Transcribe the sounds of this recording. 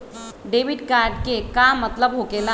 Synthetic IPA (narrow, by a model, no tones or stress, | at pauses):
ɖeːʋɪɖkaːɾɖkekamːət̪ləbɦoːkeːla